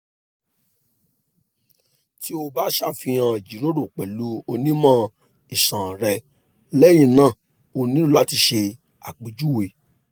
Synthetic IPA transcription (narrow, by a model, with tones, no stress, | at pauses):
ti˦o˧ba˦ʃa˦˨fĩ˧ã˧˨d͡ʒi˨˦ɾo˦ɾo˦˨k͡pɛ˨lu˨˦o˧nĩ˦mã˦ | i˨sã˨ɾɛ˧ | lɛ˦j̃ĩ˧˨nãː˦˨ | o˧nĩ˦la˨˦ti˧ʃe˧ | a̰˨k͡pi˨d͡ʒu˦we˨